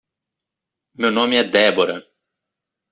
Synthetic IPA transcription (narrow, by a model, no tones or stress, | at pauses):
mewnomiɛd̪ɛboɾɐ̰